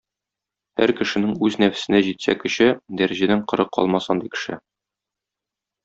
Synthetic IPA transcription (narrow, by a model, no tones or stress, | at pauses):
hæ̰ɾkɘ̆ʃɘ̆nɘŋʉznæfɘ̥̆sɘ̆næʑit̪sæ̰kɘ̆ɕɘd̪æɾɘʑæd̪æɴqɤ̆ɾɤqːɒ̰lˠmɑsɑnd̪ikɘ̥̆ʃɘ̰